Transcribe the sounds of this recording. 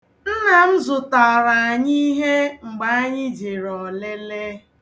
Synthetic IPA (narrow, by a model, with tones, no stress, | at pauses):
n̩˦na˨m̩˦zʊ˨ta˨ɾa˨a˨ɲi˦ɦe˦ŋ͡m̩˨ɡ͡ba˨a˦ɲɪ˦d͡ʒe˨ɾɔ˨le˦le˦